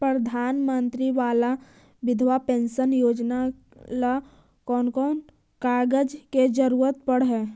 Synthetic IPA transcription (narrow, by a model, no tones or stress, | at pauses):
pɾəd̪ʱaːnmə̃nt̪ɾiʋaːla | ʋɪd̪ʱʋapẽːnsənjoːd͡ʒna | la | kɔːnkɔːn | kaːɡəd͡ʒked͡ʒəɾuːɾət̪̚pəɽɦɛː